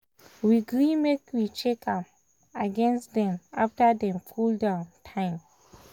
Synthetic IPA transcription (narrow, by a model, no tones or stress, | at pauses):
wiɡɹimekwit͡ʃekʰãm | aɡɛ̃nstdɛ̃ma̰ftədɛ̃mfuldãntʰãɪ̃m